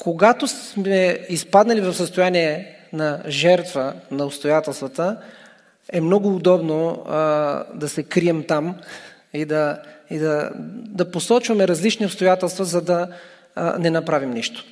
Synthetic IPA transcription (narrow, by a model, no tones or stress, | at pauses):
koɡat̪osmɛispad̪nɐlivɐfsəst̪ojaniɛ | nɐʒɛɾt̪vənɐʊpst̪ojat̪ɛlˠst̪vət̪ə | ɛmnɔɡʊːd̪ɔbno | d̪ɐsɛkɾiɛmt̪am | id̪ɐid̪ɐd̪ɐposɔt͡ʃvɐmɛɾɐzlit͡ʃniʊpst̪ojat̪ɛlˠst̪vəzɐd̪ɐ | nɛnɐpɾavimniʃt̪o̥